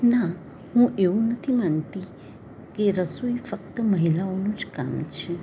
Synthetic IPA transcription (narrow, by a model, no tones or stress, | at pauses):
na | hũʔeũnət̪ʰimant̪i | keɾəsuifəkt̪əməɦilaonũd͡ʒkamt͡ʃʰe